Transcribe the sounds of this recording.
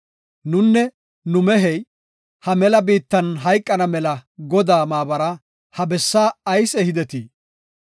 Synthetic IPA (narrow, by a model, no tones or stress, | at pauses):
nʊnːɛ | nʊmɛɦɛj | hɐmɛlɐbiːt̪ːɐnɦɐjkʼːɐnɐmɛlɐɡɔd̪aːmaːbɐɾɐ | hɐbɛsːaːɐjsɛhɪd̪ɛt̪i